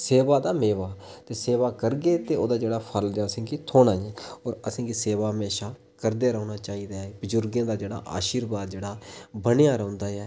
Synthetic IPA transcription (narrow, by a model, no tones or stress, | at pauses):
seːʋaːd̪aːmeːʋaːt̪eːseːʋaːkəɾɡeːt̪eːoːd̪aːd͡ʒeːɽaːpʰəldaːəsĩːkiːt̪ʰoːnaːjẽːɔːɾəsĩːɡiːseːʋaːɦmeːʃaː | kəɾd̪eːɾəːnaːt͡ʃaːiːd̪aːbəzʊɾɡãːd̪aːd͡ʒeːɽa̰ːʔa̰ːʃiːɾbaːd̪̚d͡ʒeːɽaːbənejaːɾɔ̃ʊ̃ːnd̪aːɛː